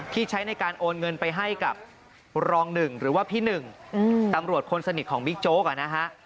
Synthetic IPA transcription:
t̪ʰiː˥˩t͡ɕʰa˦˥jna˧jkaː˧nʔoː˧nŋɤ˧npa˧jɦa˥˩jka˨˩p̚ | ɾɔː˧ŋnɯ˨˩ŋɾɯː˩˦waː˥˩pʰiː˥˩nɯ˨˩ŋ˧t̪a˧mɾu˨˩ət̪̚kʰo˧nsa˧ni˨˩t̪̚kʰɔː˩˦ŋbi˦˥k̚t͡ɕoː˦˥k̚a˨˩na˦˥kʰa˦˥ʔ

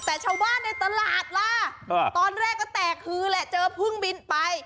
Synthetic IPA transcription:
t̪ɛː˨˩t͡ɕʰa˧wbaː˥˩nːa˧jt̪a˧laː˨˩t̪̚la˧˥t̪ɔː˧nɾɛː˥˩kːɔː˧˩t̪ɛː˨˩k̚hɯː˨˦lɛ˦˥ʔt͡ɕɤː˧p̚ʰɯ˧˥˩ŋbi˧npa˧j

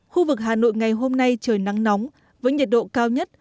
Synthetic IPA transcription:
xu˧vɨ˨˩k̚ɦaː˨˩no̰˧˨jŋa˨˩jɦo˧mna˧jt͡ɕəː˧˩jna˨˦ŋnɔ˨˦wŋ͡m | vəː˨˦jɲə˨˩t̚ɗo̰˧˨kaː˧wɲə˦˥t̚

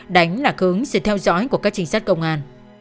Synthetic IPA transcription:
ɗa˨˦jŋ̟laː˨˩xɨ˨˦əŋsɨ̰˧˨t̪ʰɛ˧wzɔ̰˨˦jku˧˩əkaː˦˥k̚t͡ɕï˧˦ŋ̟saː˦˥t̚kə˧wŋ͡mʔaː˧n

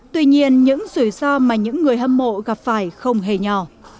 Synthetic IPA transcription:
t̪wi˧ɲi˧ənɲɨ̰˧˥ŋzu˧˩jsɔ˧maː˨˩ɲɨ̰˧˥ŋːɨ˨˩əjʔə˧mmo̰˧˨ɣaː˨˩p̚faː˧˩jxə˧wŋ͡mɦe˨˩ɲɔ˨˩

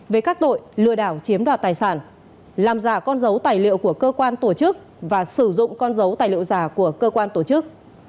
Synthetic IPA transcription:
vəː˨˦jkaː˦˥k̚t̪o̰˧˨jlɨ̰˧˨əɗaː˧˩wt͡ɕi˨˦əmɗwa̰ː˧˩t̪aː˨˩jsaː˧˩n | laː˨˩mzaː˧˩kɔ˧nzə˨˦wt̪aː˨˩jlḭ˧˨əwku˧˩əkəː˧kwaː˧nt̪o˧˩t͡ɕɨ˦˥k̚ | vaː˨˩sɨ˧˩zʊ̰˧˨ŋ͡mkɔ˧nzə˨˦wt̪aː˨˩jlḭ˧˨ə˨wzaː˧˩ku˧˩əkəː˧kwaː˧nt̪o˧˩t͡ɕɨ˦˥k̚

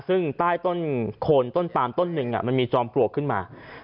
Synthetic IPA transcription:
sɯ˥˩ŋt̪aː˥˩jt̪o˥˩nkʰoː˧nt̪o˥˩np̪aː˧mt̪o˥˩nːɯ˧ŋʔa̰˩ma˧nmiː˧t͡ɕɔː˧mklu˧əkʰːɯ˥˩nma̰ː˧

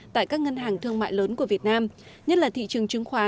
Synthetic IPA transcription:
t̪a̰ː˧˨jkaː˦˥k̚ŋə˧nɦaː˨˩ŋt̪ʰɨ˧əŋma̰ː˧˨jləː˨˦nku˧˩əvi˨˩ət̚naː˧m | ɲə˦˥laː˨˩t̪ʰḭ˧˨t͡ɕɨ˨˩əŋt͡ɕɨ˨˩əŋxwaː˨˦

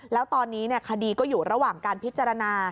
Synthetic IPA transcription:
lɛː˦˥wt̪ɔː˧nːiː˦˥ni˥˩ɐkʰa˧diː˧kɔː˥˩juː˨˩ɾa˧waː˨˩ŋkaː˧npʰi˦˥t̪t͡ɕa˧ɾa˧naː˧

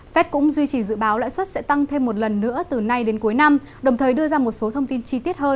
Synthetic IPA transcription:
fɛ˦˥t̚kʊ̰˧˥ŋ͡mzwi˧t͡ɕi˧˩zɨ̰˧˨ɓaː˨˦wla̰ː˧˥jswə˦˥t̚sɛ̰˧˥t̪a˧ŋt̪ʰe˧mːo˨˩t̚lə˨˩nːɨ̰˧˥ət̪ɨ˨˩na˧jɗe˨˦nku˨˦əjna˧m | ɗə˨˩wŋ͡mt̪ʰəː˨˩jɗɨ˧əzaː˧mo˨˩t̚so˨˦t̪ʰə˧wŋ͡mt̪i˧nt͡ɕi˧t̪i˦˥ət̚həː˧n

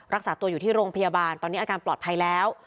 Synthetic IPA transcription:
ɾa˦˥k̚saː˩˦t̪u˧əjuː˨˩t̪ʰiː˥˩ɾoː˧ŋpʰa˧jaː˧baː˧nt̪ɔː˧niː˦˥ʔːkaː˧nplɔː˨˩t̪̚pʰa˧jlɛː˦˥w

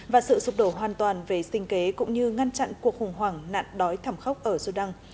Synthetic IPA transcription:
vaː˨˩sɨ̰˧˨zʊ˨˩k͡p̚ɗo˧˩ɦwaː˨˩nt̪waː˨˩nve˨˩sï˧ŋ̟ke˨˦kʊ̰˧˥ŋ͡mɲɨ˧ŋa˧nt͡ɕa̰˧˨nku˨˩ək̚xʊ˨˩ŋ͡mɦwaː˧˩ŋna̰ː˧˨nɗɔ˨˦jt̪ʰə˧˩mxə˦˥wk͡p̚ʔəː˧˩zu˧ɗa˧ŋ

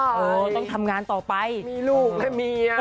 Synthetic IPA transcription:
ʔɤː˧˩t̪ɔ˥˩t̪ʰa˧mŋaː˧nt̪ɔː˨˩pa˧jmiː˧luː˥˩k̚lɛ˦˥˩miː˧

